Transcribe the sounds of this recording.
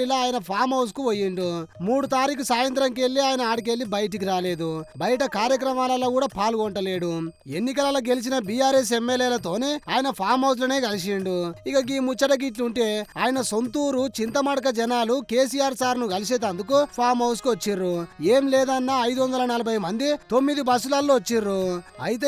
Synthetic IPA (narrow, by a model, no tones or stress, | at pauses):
ilɐaːjɐnɐpʰaːɾmɐwskuʋojːiɳɖumuːɽut̪aːɾik̬usaːjɐnt̪ɾɐŋk̬e̞lːiaːjɐnɐaːɽik̬e̞lːibɐjɐʈ̬ik̬iɾaːle̞ːd̪ubɐjɐʈɐkaːɾjɐk̬ɾɐmaːlɐloːkuːɽaːpʰaːluɡɔɳʈɐle̞ːɽue̞nːikɐlɐlɐːɡe̞lis̬inɐbijaːɾes̬emːeleːlɐt̪o̞ːneːaːjɐnɐpʰaːɾmɐws̬lɐne̞ːɡɐlis̬eɳɖuikɐɡiːmut͡ʃːɐʈɐɡiːʈ̬luɳʈe̞ːaːjɐnɐso̞nt̪uːɾut͡ʃint̪ɐmɐɽɐk̬ɐd͡ʒɛnaːlukeːs̬ijaːɾsaːɾnuɡɐlisɛːt̪ɐnd̪ukupʰaːɾmɦɐwskuʋɐt͡ʃːiɾueːmlɛːd̪ɐnːaːɐjd̪uʋɐnd̪ɐlɐnɐlɐbʱɐjɐmɐnd̪it̪o̞mːid̪ibɐsulaːlːoɐt͡ʃːiɾuɐjit̪eː